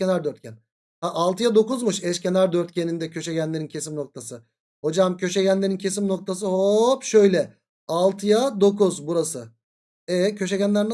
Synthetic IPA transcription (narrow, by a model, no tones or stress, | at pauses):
enaɾd̪øɾt̪cʰæn | haʔalˠt̪ɯjad̪o̞kuzmuʃɛʃcʰe̞naɾd̪øɾt̪̚cʰenind̪ɛcʰø̞ʃɛɟænlʲeɾincʰe̞simno̞k̚t̪ʰasɯ | ho̞d͡ʒamcʰø̞ʃɛɟænlʲeɾincʰe̞simno̞k̚t̪ʰas̬ɯɦopʃø̞jlʲɛ | alˠt̪ʰɯjad̪o̞kuzbuɾasɯ | ɛcʰøʃ̬ɛɟænlʲæɾn